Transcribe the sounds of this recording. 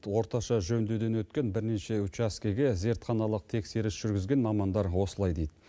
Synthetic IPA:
t̪wo̞ɾt̪ɑʃɑʒɵnd̪ed̪e̞nwɵt̪kʲe̞nbɪɾneʃe̞ut͡ʃaskʲeɡʲeze̞ɾt̪χɑnɑlˠəq̚t̪ʰe̞kse̞ɾɪsʒ̥ʏɾɡʲɪzɡʲe̞nmɑmɑnd̪ɑɾwo̞səlˠɑjd̪e̞jd̪ɪ

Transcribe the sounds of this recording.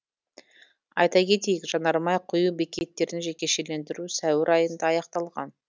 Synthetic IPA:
ɑ̰jt̪ɑkʲe̞t̪e̞jɪkʒɑnɑɾmɑjqʰʊjubekʲe̞t̪ːe̞ɾɪnʒe̞kʲe̞ʃe̞le̞nd̪ɪɾusæwɪɾʔɑjənd̪ɑɑjɑqt̪ɑlˠʁɑ̰n

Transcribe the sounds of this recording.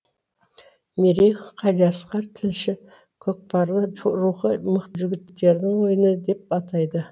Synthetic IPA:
meɾejχqʰɑd̪ɑsqɑɾt̪ʰɪlʃɪ | kʲʰɵk̚pɑɾlˠəɾuχəməqt̪əʒʏɡʲɪt̪ːe̞ɾd̪ɪŋwo̞jənəd̪e̞p̚ɑt̪ɑjd̪ə

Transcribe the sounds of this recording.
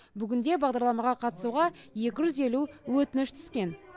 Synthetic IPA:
bʏɡʲɪnd̪e̞bɑʁd̪ɑɾlˠɑmɑʁɑqʰɑt̪ə̥suʁɑje̞kʲɪʒʏze̞luwɵt̪ɪnɪʃt̪ʰʏ̥z̥kʲe̞n

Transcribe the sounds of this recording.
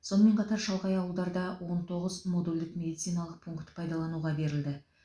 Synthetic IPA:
sonəme̞ɴqʰɑt̪ɑɾʃɑlˠʁɑjɑwəlˠd̪ɑɾd̪ɑwo̞nt̪ʰo̞ʁəzmod̪ulʲd̪ɪkmʲe̞d̪it̪sijnɑlˠəq̚pʰuŋkt̪pʰɑjd̪ɑlˠɑnuʁɑbe̞ɾɪld̪ɪ

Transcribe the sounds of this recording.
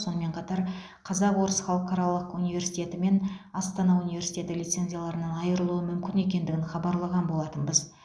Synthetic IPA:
so̞nəme̞ɴqʰɑt̪ɑɾ | qʰɑzɑqwo̞ɾəsχɑlˠəqɑɾɑlˠəqunijvʲe̞ɾsit̪ʲe̞t̪ɪme̞nɑst̪ɑnɑunijvʲe̞ɾsijt̪ʲe̞t̪ɪlijt̪se̞nʲzʲijalˠɑɾənɑnɑjəɾəlˠuəmʏmkʲɪne̞kʲe̞nd̪ɪɡʲɪnχɑbɑɾlˠɑʁɑnbo̞lˠɑt̪ənbəz

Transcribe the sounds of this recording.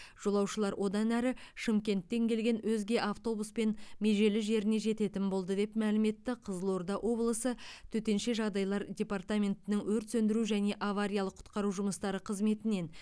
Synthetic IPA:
ʒ̥o̞lˠɑwʃəlˠɑɾwʔo̞d̪ɑnæɾɪʃɪmkʲe̞nt̪ːe̞ŋkʲʰe̞lɡʲe̞nwɵzɡʲe̞ʔaft̪o̞buspe̞nme̞ʒe̞lɪʒe̞ɾɪne̞ʒe̞t̪e̞t̪ɪmbo̞lˠd̪əd̪e̞pmælɪme̞t̪ːɪqʰəzəlˠo̞ɾd̪ɑʔwʔo̞blˠəsət̪ʰɵt̪e̞nʃe̞ʒɑʁd̪ɑjlˠɑɾdʲe̞part̪amʲe̞nt̪ɪnɪŋwɵɾt̪sɵnd̪ɪɾuʒæne̞ʔavaɾʲijɑlˠəqʰʊ̥t̪qɑɾuʒʊməst̪ɑɾəqʰəzme̞t̪ɪne̞n

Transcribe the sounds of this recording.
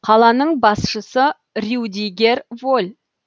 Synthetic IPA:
qʰɑlˠɑnəɴbɑsʃəsə | rʲiwd̪ʲiɡʲe̞ɾvolʲ

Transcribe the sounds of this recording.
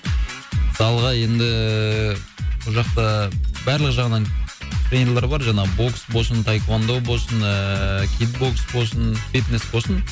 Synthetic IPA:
məsɑlˠʁɑje̞nd̪ɪ | bʊʒɑqt̪ɑbæɾləqʒɑʁənɑnt̪ɾenʲeɾlˠɑɾbɑɾʒɑɴɑbo̞ksbo̞lˠsənt̪ʰajkwand̪owbo̞lˠsənəkʲʰit̪bo̞ksbo̞lˠsənfʲit̪nesbo̞lˠsən

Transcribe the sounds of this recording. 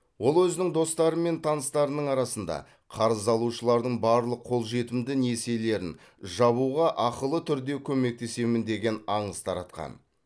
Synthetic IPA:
wo̞lˠwɵzɪnɪŋd̪o̞st̪ɑɾəme̞nt̪ʰɑnəst̪ɑɾənəɴɑɾɑsənd̪ɑ̰ | qʰɑɾəzɑlˠuʃəlˠɑɾd̪əɴbɑɾlˠəqʰːo̞lˠʒe̞t̪ɪmd̪ɪnese̞le̞ɾɪ̰n | ʒɑβuʁɑʔɑqəlˠət̪ʰʏɾd̪e̞kʲʰɵme̞k̚t̪e̞se̞mɪnd̪e̞ɡʲe̞nɑɴəst̪ʰɑɾɑ̰t̪qɑ̰n

